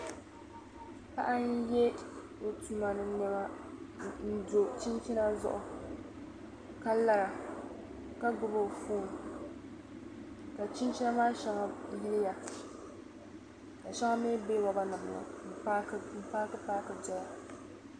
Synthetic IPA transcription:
ka˦ʔa˦n˦jɛ˦ | o˨tu˦ma˨nɨ˨m˦ɲɛ˦ma˦ | n̩˨do˨t͡ʃi˦nt͡ʃi˦na˦zʊ̰˦ʔʊ˨ | ka˦la˦ɾa˨ | ka˦ɡʊ˦bo˨foː˦n˨ | ka˨t͡ʃi˦nt͡ʃi˦na˦maː˦ʃa˦ŋa˨˦nɪ˦lɪ˦ja˨ | ka˨ʃa˦ŋa˦me˦beː˦wa˨ba˦nɨ˨m˨ʊ̰˨˦m̩˨paː˦kɨ˦paː˦kɨ˦d͡ʒɛ˦la˨

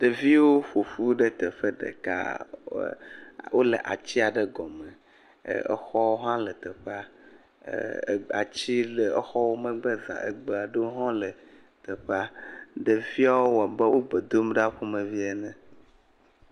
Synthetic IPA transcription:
ɖə˨vi˦wo˦ɸo˨fu˦ɖe˦t̪ə˨ɸə˦ɖḛ˨ka̰˦ | wʔo˦le˨ʔa̰˨t͡ɕi˦a˨ɖɛ˦ɡɔ˨mɛ̰̃˨ | ḛ˦xɔ˦wo˦ɦã˦lə˨t̪e˨ɸa˦˨ | a̰˨t͡ɕi˦le˨ə˦xɔ˦wo˦mə̃˦ɡ͡bə˦zã̰˨ʔḛ˨ɡ͡be˨a˨ɖe˦wo˦ɦɔ̃˦lə˨ | t̪ə˨ɸa˦ɖe˨vi˦a˦wo˦wa˨bɛ˦wo˦ɡ͡be˨d̪o˦mɖa˦ɸo˦mẽ˨vi˦ɛ˨nɛ̃˨

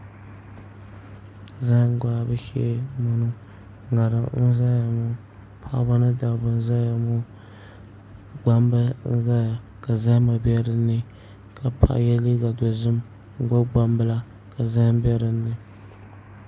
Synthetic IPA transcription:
za˦ɡa˦˨bɨ˦ʃɛ̰˦mu˦nʊ˦ | ŋa˨ɾɨ˨n̩˦za˦ja˨mʊ˦ | pʰa̰˦ʔba˦nɨ˦da˨bɨ˦n˦za˦ja˨mʊ˦ | ɡ͡ba˦mba˦n˦za˦ja˨ | ka˨za˦ma˨bɛ˦ɾɨ˨nːɨ˦ | ka˨pʰa̰˨ʔjɛ˦li˦ɡa˨dɔ˨zɨ˦m̩˦ | ɡ͡ba˦ɡ͡ba˦mbɨ˦la˦ | ka˨za˦m˦bɛ˦ɾɨ˨nːɨ˨

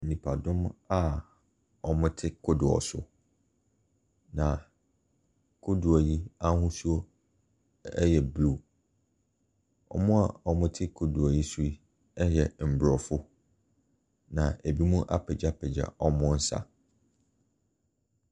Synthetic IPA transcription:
n̩˨nĩ˨pʰa˨dʊ̃˦ma˦ | ɔ˨mʊ̃˦tʰɪ˦kʰʊ˦dʊ˨ɔ̰˨sʊ̰˨ | nã˨ | kʰʊ˦du˨a˨ji˦a˦hʊ̃˦su˦o˦ | ɛ˦jɛ˨blu˦˨ | ɔ̰˨mʊ̃˦a˨ɔ˨mʊ̃˦tʰɪ˦kʰʊ˨du˨a˨ji˦su˦i˦ | ɛ˦ɦjɛ˨m̩˨bɾɔ˨fʊ˦ | nã˨e˨bi˦mũ˦ʔa˦pʰɛ˨d͡ʑa˦pʰɛ˨d͡ʑa̰˨ɔ˦mʊ̃˦n̩˦sa̰˨

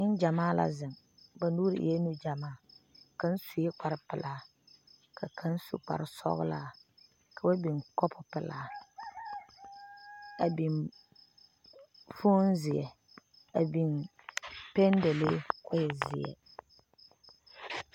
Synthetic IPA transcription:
ɪ˦n˦d͡ʒa˨maː˦la̰˦zɨ˨ŋ | ba˨nuː˦ɾ̰jɛ˦nu˦d͡ʒa˨maː˦˨ka˦n̩˦su˨jɛ˦k͡pa˨ɾɪ˦pɪ˨lʔa˦ | kʰa˨kʰa˦n˦sṵ˨k͡pa̰˨ɾɪ˨sɔ̰˦ɣʊ̰˦la˦ | kʰa˨ba˦bi˨ŋkɔ˦pʰʊ˦pɪ˨laː˨ | a˨bi˨n | fo˦nzɪ˨jɛ̰˨ | a˨bi˨n | pɛ˦n˦dɛ˨le˦kʊ˦jɛ˨zɪ̰˨ɛ̰˨

